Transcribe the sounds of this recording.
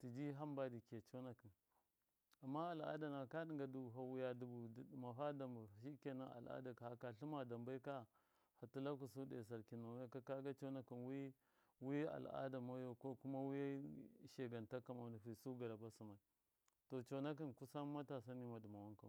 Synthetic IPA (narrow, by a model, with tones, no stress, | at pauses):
ti˨d͡ʒi˦ɦa˦mba˦di˨ke˨t͡ʃo˦na˦ki˨n | a˨mːa˦a˨la̰˦da˨na˨ka˦ɗi˦ŋɡa˨du˨bu˨ɦa˦wu˦ja˦du˦bu˨ma˨ɦa˦da˨mba˨ʃi˦ke˨na˦a̰˨la̰˦da˨ka˨ha˦ka˨ɬu˦ma˨da˨mba˦i˦ka˦ | ha˨tu˦la˦k̬u˨s̬u˦dḛ˨s̬a˨ɾki˨na˨wa˦ka˦ka˦ɡa˦t͡ʃo˦na˦ki˨nwi˦ | wi˦a̰˨la̰˦da˨ma˦jo˨ko˦ku˦ma˦wi˦ja˦ʃe˨ɡa˨nta˦ka˨ma˨˦di˨ɦi˨su˦ɡa˨la˨ba˦su˨ma˨i˨ | to˨t͡ʃo˨na˦k̬i˦nku˦sa˦m˦ma˦ta˨s̬a˦ni˦ma˨di˨ma˨wa˦ŋka˨